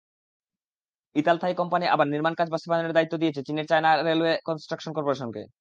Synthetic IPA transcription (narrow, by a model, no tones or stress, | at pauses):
it̪alt̪ʰaikɔmpaniʔa̰baɾniɾmankad͡ʑbaʃt̪obadoneɾd̪ait̪ːod̪ijet͡ɕʰet͡ɕineɾt͡ɕajnaɾelekɔnsʈɾakʃonkɔɾpoɾeʃ̬ɔnkḛ